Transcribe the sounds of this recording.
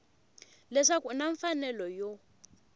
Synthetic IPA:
lɛʂakunaɱfanɛlɔjo

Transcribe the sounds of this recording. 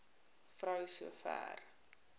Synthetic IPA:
frœwsuəfæ̰ːr

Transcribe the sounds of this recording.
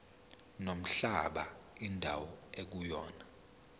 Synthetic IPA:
nom̩ɬaɓa̰indʱa̰wɔek̬ujɔːna

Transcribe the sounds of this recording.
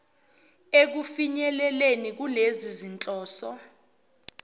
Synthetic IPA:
ek̬ufiɲɛlɛlenik̬ulezizint͡ɬʼɔːsɔ

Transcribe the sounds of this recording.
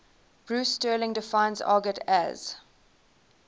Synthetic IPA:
b̥ɹuːstəːlɪ̃ŋdɪfãɪ̃nzɔ̰ːɡɪtʰæ̰z̥

